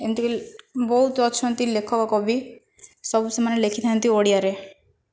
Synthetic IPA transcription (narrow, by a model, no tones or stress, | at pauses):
ent̪ikebɔɦut̪ɔt͡ʃʰɔnt̪ilekʰɔkɔkɔbi | sɔbusemanelekʰit̪ʰajnt̪ioɽijaɾe